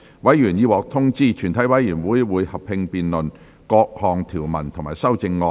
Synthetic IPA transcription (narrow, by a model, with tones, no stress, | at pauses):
wɐ˨˥jyː˨˩njiː˧wɔː˨k̚t̪ʰʊ˥ŋt͡siː˥˩t͡ʃʰyː˨˩nt̪ʰɐ˨˥jwɐ˨˥jjyː˨˩nwuː˨˥jwuː˨˧jhɐ˨p̚hɪ˧ŋpiː˨˧nlɵ˨n | kɔː˧k̚hɔː˨˩ŋt̪ʰiː˨˩wmɐ˨˩nt̪ʰʊ˨˩ŋmaː˨˩jsɐ˥wt͡sɪ˧ŋːɔː˧